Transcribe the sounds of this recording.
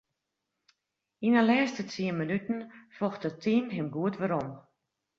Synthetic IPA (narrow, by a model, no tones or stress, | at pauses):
inəlɛːstətiəmənytn̩fɔxtətʰiːnɦɪmɡuətʋəɾɔm